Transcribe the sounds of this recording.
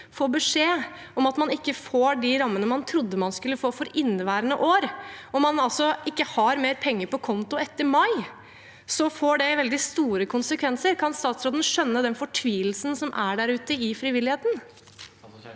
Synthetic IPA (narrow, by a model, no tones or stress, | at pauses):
foːbəʂeː | ɔmɑt̪mɑnɪkːəfoːɖɪɾɑmːənəmɑnt̪ʰɾʊd̪ːəmɑnskʉlːəfoːfɔɾɪnːʋæːɾənə̰ʔoːɾɔmɑnɑlsɔʔɪkːəhɑɾmeːɾpʰɛŋːəɾpɔkʰɔnt̪ʊɛt̪ːəɾmɑɪ | sɔfoːɖɛʋɛld̪ɪst̪uːɾəkʰʊnsəkʰʋɛnsəɾkʰɑnst̪ɑːt̪sɾoːd̪ən̩ʂœnːəd̪ɛnfɔʈʰʋiːlsn̩sɔmʔæɖæɾʉːt̪əɪfɾɪʋɪlːɪheːt̪n̩